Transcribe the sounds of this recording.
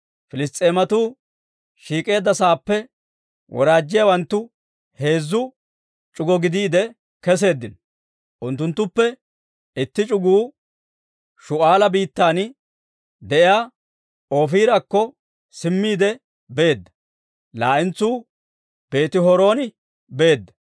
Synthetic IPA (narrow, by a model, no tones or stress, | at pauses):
fɪlɪst̪ʼːe̞ːmɐt̪uː | ʃiːkʼe̞ːd̪ːɐsaːpːɛ | wʔɔ̰ɾaːd͡ʒːɪjawɐnt̪ːʊ | he̞ːzːʊ | t͡ʃʼʊɡɔɡɪd̪iːd̪ɛ | kɛs̬e̞ːd̪ːɪnɔ | ʔʊnt̪ːʊnt̪ːʊpːɛ | ɪt̪ːɪt͡ʃʼʊɡuː | ʃʊʔaːlɐbiːt̪ːaːn | d̪ɛʔɪjaː | o̞ːfiːɾɐkːɔ | sɪmːiːd̪ɛ | beːd̪ːɐ | laːʔɪnt͡suː | b̥e̞ːt̪ɪɦɔɾo̞ːnɪ | be̞ːd̪ːɐ